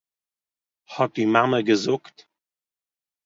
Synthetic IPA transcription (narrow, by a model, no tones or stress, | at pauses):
hɔt̚d̥imaməɡəzʊkt